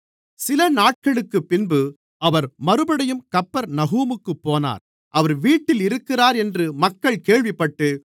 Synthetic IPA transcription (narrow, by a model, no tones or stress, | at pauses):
sɪlɐnaːʈ̚kɐɭɯkːɯpːɪnbɯ | ɐʋɐɾmɐɾɯbɐɽɐjɯmkɐpːɐɾnɐɣuːmɯkːɯpːoːna̰ːɾ | ʔɐʋɐɾʋiːʈːɪlɪɾɯkːɪraːɾɛndrɯmɐkːɐɭkeːɻʋɪpːɐʈːɯ